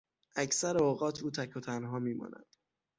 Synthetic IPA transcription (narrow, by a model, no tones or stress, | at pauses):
ʔæcʰsæɾeoːɣɒːt̪ʰuːt̪ʰækʰot̪ʰænɦɒːmiːmɒ̰ːnʔæ̰d̪̥